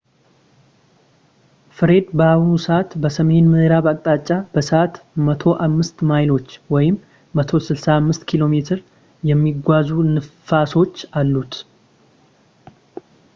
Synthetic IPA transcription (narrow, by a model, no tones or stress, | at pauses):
fɨɾe̞d̪bəawnusəʔat̪bəsəme̞nmɨhɾaβakʼt̪ʼat͡ʃʼːabəsəʔat̪mət̪ʰo̞ʔamːɨst̪majlo̞t͡ʃːwɔjɪmː | ət̪ʰo̞sɨlsaːmːɨst̪kʰilo̞me̞t̪ʰɨɾ | jɛmːiɡʷazunɨfaso̞t͡ʃːalːut̪